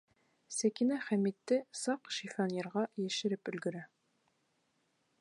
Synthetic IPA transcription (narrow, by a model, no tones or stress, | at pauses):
sækinæχæmit̪ːɘsɑqʃifɑneɾʁɑjɘ̆ʃɘ̆ɾɘpɵ̆lɡɵ̆ɾæ